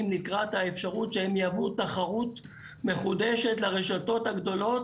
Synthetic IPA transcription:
imlikʁat̪haefʃaʁutʃehemjavutaχaʁut̪ | me̞χudeʃe̞tlaʁeʃato̞thaɡd̪o̞lo̞t

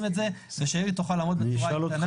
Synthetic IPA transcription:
metzeveʃaebit̪oχalaːmot̪̚beʁaana

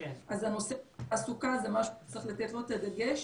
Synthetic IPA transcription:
azano̞seasukazemaʃut͡sʁiχlat̪et̪lo̞t̪ad̪aɡeʃ

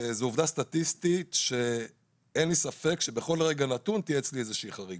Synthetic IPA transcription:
zeuvdast̪at̪ist̪itʃe | enlisafe̞kʃe̞be̞χo̞lʁe̞ɡanat̪unt̪iet͡sliezeʃiiːχaʁiɡ

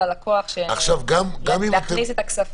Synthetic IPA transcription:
alakʰoaχʃeaχʃavɡamɡamimt̪eniset̪aksaf

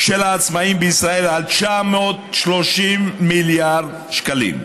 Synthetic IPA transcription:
ʃelaːt͡smaimbeisʁae̞lalt͡ʃameot̪ʃlo̞ʃimːiljaʁd̪ | ʃkalḭm

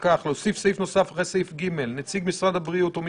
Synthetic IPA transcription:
kaχlo̞sifsejfno̞safaχesejfɡime̞lnet͡siɡmisʁad̪abʁiut̪om

